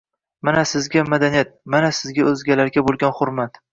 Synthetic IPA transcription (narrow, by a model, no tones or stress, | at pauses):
manasɪzɡʲamad̪anijat̪̚manasɪzɡʲaɵzɡʲalaɾɡʲabolˠɡʲanχʊɾmat̪